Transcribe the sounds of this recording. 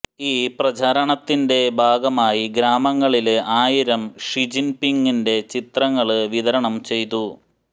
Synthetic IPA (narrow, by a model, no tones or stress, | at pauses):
iːprɐd͡ʑʱaːɾɐɳɐt̪ːinde̞bʱaːɡɐmaːjiɡɾaːmɐŋːɐɭileʔaːjiɾɐmʂid͡ʑinpiŋɡinde̞t͡ɕit̪rɐŋːɐɭɨʋiðɐɾɐɳɐmt͡ɕe̞jt̪u